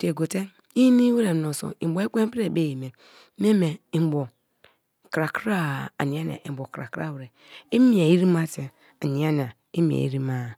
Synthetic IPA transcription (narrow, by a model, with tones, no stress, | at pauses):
te˨ɡo˨te˦ | i˦ni˦we˦ɾe˨no˨so̰˨ḭ˨bo˨˦e˦k͡pʷe˦m˦pi˦ɾe˨be˦˨ji˨me˨˦ | me˦me˨i˨m˨bo˨ | kɾa˨kɾa˦a̰˨ni˨a˦na̰˨i˨bo˨kɾa˨kɾa̰˦˨we˨ɾe˨ | i˦mi˨a˨i˦ɾi˦ma˦te˨ | a˨ni˨a˦n˨a˨ | i˦mḭ˨a̰˨ḭ˦ɾi˦ma˦˨